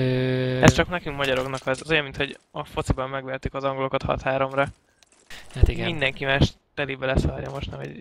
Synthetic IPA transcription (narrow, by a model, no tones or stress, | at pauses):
øɛst͡ʃɒknɛkyŋkmɒɟɒɾo̞knɒkɒzɒzojɒmːint̪ho̞ɟɒfo̞t̪sibɒmːɛɡʋɛrt̪ykɒzɒŋɡo̞lo̞kɒt̪hɒ̰t̪haːɾo̞mɾɒ | hat̪iɡɛmind̪ɛŋkimaːʃt̪ɛliːbɛlɛsɒɒɾjɒ̰mo̞ʃt̪nɒɦo̰ɟ